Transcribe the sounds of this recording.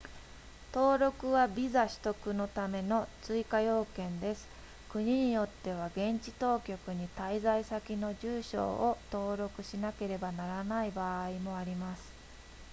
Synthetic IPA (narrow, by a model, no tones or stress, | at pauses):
t̪o̞ːɾo̞kɯ̟βabʲizaɕi̥t̪o̞kɯ̟no̞t̪ame̞no̞t͡sɨikajo̞ːkẽ̞nd̪e̞sɨ̥ | kɯ̟ɲ̟iɲ̟ijo̞t̪ːe̞β̞aɡẽ̞ɲt͡ɕi̥t̪o̞ːkʲo̞kɯ̟ɲ̟it̪aizaisakʲino̞ʑɨːɕo̞̰ːot̪o̞ːɾo̞kɯ̟ɕinake̞ɾe̞banaɾanaibaːimo̞aɾʲimasɨ̥